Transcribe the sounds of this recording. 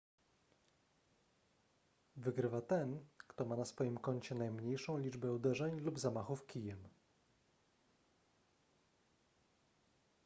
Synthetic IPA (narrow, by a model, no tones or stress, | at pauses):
vɘɡɾɘvat̪ɛnkt̪ɔmanasfɔjimkɔɲt͡ɕɛnajmɲejʂɔ̃w̃lʲid͡ʐbɛud̪ɛʐɛɲlubzamaxufkʲijɛm